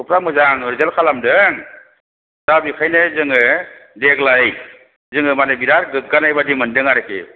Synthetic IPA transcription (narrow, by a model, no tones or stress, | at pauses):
upʰɾamɯzaŋɾzelkʰalamdɯŋ | tabikʰajnɯzɯŋɯdeɡlaj | zɯŋɯmanebiɾaɾɡɯk̚ɡanajbadimɯndɯŋaɾekḛ